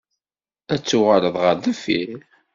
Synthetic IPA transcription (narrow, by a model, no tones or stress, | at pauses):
æt͡sːuʁələðˤʁəɾðəfi